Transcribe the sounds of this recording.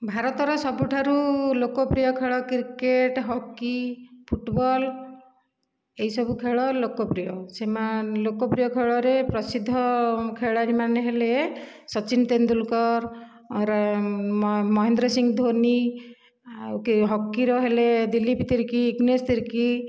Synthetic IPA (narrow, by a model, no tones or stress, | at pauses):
bʱaɾɔt̪ɔɾɔsɔbuʈʰaɾulokɔpɾijɔkʰeɭɔkiɾkeʈɦɔkːipʰuʈbɔl | eɦisɔbukʰeɭɔlokɔpɾijɔsemalokɔpɾijɔkʰeɭɔɾepɾɔsid̪ʱːɔkʰeɭaɾimaneɦele | sɔt͡ʃint̪end̪ulkɔɾ | ɾ | mɔɦend̪ɾɔsiŋɡd̪ʱoni | kɦɔkːiɾɔɦeled̪ilipt̪iɾkiːɡnest̪iɾki